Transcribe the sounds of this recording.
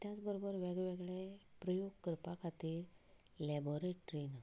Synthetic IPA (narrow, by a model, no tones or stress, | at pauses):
t̪jat͡sbəɾobəɾʋeɡɭʋeɡɭe | pɾəjoɡkəɾpakʰat̪iːɾ | lɛboɾeʈɾina